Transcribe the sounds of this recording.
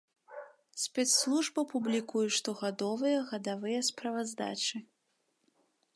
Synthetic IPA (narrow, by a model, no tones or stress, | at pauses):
sʲpʲɛt̪slˠuʐbɐpublʲikujuʂt̪ɔɣad̪ɔvɨjɐɣɐd̪avɨjɐspɾɐvazd̪a̰t͡ʂɨ